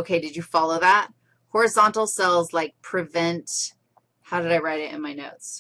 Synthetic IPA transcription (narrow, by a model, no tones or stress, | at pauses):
ʊkʰeɪdɨd͡ʒɨfɑlˠoʊðæt̚ | hɔɹɨzɑ̃ntˡl̩ˠsɛlˠzlaɪk̚pʰɹ̥ɨvɛ̃nt | haʊɾɨɾaɪɹaɪɾɨɾɨ̰̃nmaɪnoʊts